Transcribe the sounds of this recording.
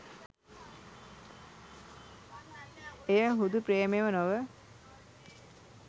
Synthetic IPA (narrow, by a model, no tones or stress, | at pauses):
ejəɦud̪upɾeːmeʋənoʋə